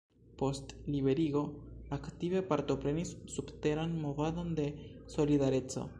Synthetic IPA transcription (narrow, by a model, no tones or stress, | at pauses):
po̞stliβe̞ɾiɡo̞aktive̞paɾto̞pɾe̞nisːubte̞ɾanmo̞vado̞nde̞so̞lidaɾe̞t͡so̞̰